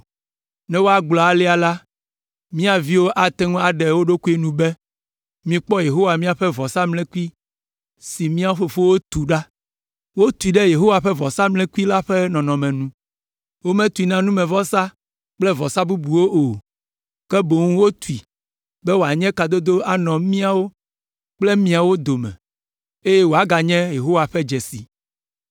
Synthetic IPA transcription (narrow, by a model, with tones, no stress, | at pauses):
nɛ̃˦wo˦a˨ɡ͡blɔ˨a˨lɛ˦a˨la˦ | mĩ˦a˨vi˦wo˦ʔa˨t̪ɛ˦ŋũ˦a˨ɖɛ˨wo˦ɖo˦ku˦e˦nũ˦bɛ˦ | mĩ˦k͡pɔ˦je˨ɦo˦wa˨mĩ˦a˨ɸɛ˦vɔ˨sa˦mlɛ̃˦ku˦i˦ | si˨mĩ˦a˦ɸo˨ɸo˦wo˦t̪u˨ɖa˦ | wo˦t̪u˨i˨ɖɛ˦je˨ɦo˦wa˨ɸɛ˦vɔ˨sa˦mlɛ̃˦ku˦i˦la˦ɸɛ˦nɔ̃˨nɔ̃˨mɛ̃˨nũ˦ | wo˦mɛ̃˦t̪u˨i˨nã˦nũ˦mɛ̃˨vɔ˦sa˦ | k͡plɛ˦vɔ˨sa˦bu˦bu˨wo˦ʔo˨ | kɛ˦bo˨ŋũ˦wo˦t̪u˨i˨ | bɛ˦wo˨a˨ɲɛ̃˦ka˨d̪o˦d̪o˦a˨nɔ̃˨mĩ˦a˨wo˦ | k͡plɛ˦mĩ˦a˨wo˦d̪o˨mɛ̰̃˨ | e˦jɛ˦wo˨a˦ɡa˨ɲɛ̃˦je˨ɦo˦wa˨ɸɛ˦d͡ʒɛ˨sḭ˨